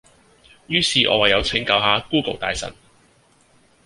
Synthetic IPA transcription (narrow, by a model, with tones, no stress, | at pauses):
jyː˥siː˨ʔɔ̰ː˨˧wɐ˨jːɐ˨˧wt͡sʰɪ˨˥ŋkɐ˧wɦaː˨˧kuː˥ko˨˩wt̪aː˨jsɐ̰˨˩n